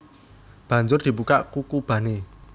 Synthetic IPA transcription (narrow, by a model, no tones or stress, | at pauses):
b̥ä̤ɲd͡ʒʊrd̪̥i̤bukaʔkukub̥a̤ne